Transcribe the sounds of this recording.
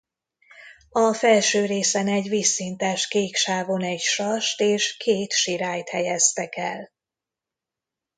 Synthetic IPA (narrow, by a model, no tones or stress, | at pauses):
ɒfɛlʃøːɾeːsɛnɛɟvisːint̪aːʃkeːkʃaːvonɛɟʃɒʃt̪eːʃkʰeːt̪ʃiɾaːjt̪hɛjɛst̪ɛkɛl